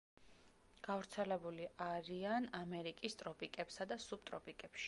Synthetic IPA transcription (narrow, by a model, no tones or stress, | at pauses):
ɡ̥avɾt̪sʰɛlɛbuliʔaɾianamɛɾikʼist̪ʼɾɔpʼikʼɛpsad̪asub̚t̪ʼɾɔpʼikʼɛpʃi̥